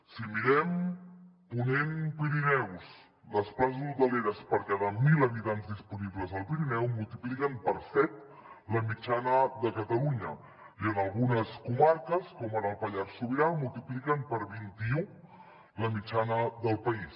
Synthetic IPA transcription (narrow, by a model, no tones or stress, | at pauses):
simiɾɛm | punenpiɾinɛws | ləsplaznut̪əleɾəspəɾkaðamiləβit̪anzðispunibləzəlˠpiɾinɛwmulˠt̪iplikəmpəɾsɛt̪̚ | ləmit͡ʃanəðəkət̪əluɲə | iənəlˠɣunəskumaɾkəskɔmənəlˠpəʎaɾsuβiɾalmulˠt̪iplikəmpəɾβint̪iu | ləmit͡ʃanəðəlˠpəis